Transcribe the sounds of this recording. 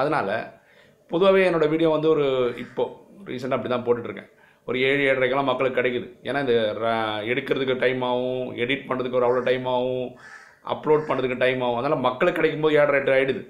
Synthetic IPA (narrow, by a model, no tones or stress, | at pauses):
ɐðɐnaːlɐ̰ | pɔðɯʋaːʋeːɛnːoːɽɐʋiːɽɪjõːʋɐnd̪ɯɔɾɯɪpːoː | ɾḭːs̬ɐɳɖɐp̬ːɐɽɪt̪ãːnpoːʈːɪʈːɪɾɯkːḛ̃ː | ɔɾɯeːɻeːɽɐɾɐɪkːɐlːãːmɐkːɐɭɯkːɯːɪɽɐɪkːɯðɯḛːnːaːɪnd̪ɐɛɽɯkːɪɾɐðɯkːɯʈɐɪmaːʋʊ̃ɛɽɪʈ̚pɐɳːɾɐðɯkːɯɔɾɯɐʋɭoːʈɐɪmaːʋʊ̃ | ʔɐ̰pːloːɖpɐɳːɾɐðɯkːɯʈɐɪmaːʋʊ̃ɐðɐnaːlɐmɐkːɐɭɯkːkːɐɽɐɪkːɯmpoːðɯeːɽɾɐʈːɯaːɪɽɯðɯ